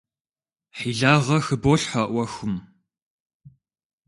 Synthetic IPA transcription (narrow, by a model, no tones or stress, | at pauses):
ħiːɮaːʁɐxɨboːɬħaʔʷɐxʊm